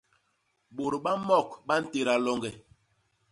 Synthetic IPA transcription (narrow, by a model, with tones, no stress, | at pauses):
ɓo˨ɾɓa˦mɔ˦˨k̚ɓa˦n̩˦te˨ɾa˨lɔ˦ŋɡɛ˨